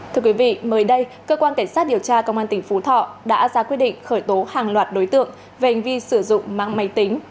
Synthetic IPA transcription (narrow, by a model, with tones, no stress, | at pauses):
t̪ʰɨ˧əkwi˨˦vḭ˧˨məː˨˦jɗə˧jkəː˧kwaː˧nka˧˩jŋ̟saː˦˥t̚ɗi˨˩əwt͡ɕaː˧kə˧wŋ͡mʔaː˧nt̪ï˨˩ŋ̟fu˨˦t̪ʰɔ̰˧˨ɗa̰ː˧˥zaː˧kwi˦˥ət̚ɗḭ˧˨ŋ̟xəː˧˩jt̪o˨˦haː˨˩ŋlwaː˨˩t̚ɗo˨˦jt̪ɨ̰˧˨əŋ | ve˨˩ha˨˩jŋ̟vi˧sɨ˧˩zʊ̰˧˨ŋ͡mma̰ː˧˨ŋma˨˦jt̪i˨˦ŋ̟